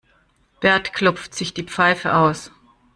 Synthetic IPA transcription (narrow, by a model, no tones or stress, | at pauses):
b̥ɛɐtkʰlɔpp͡ftz̥ɪçd̥iːp͡faɪfə̰ʔaʊs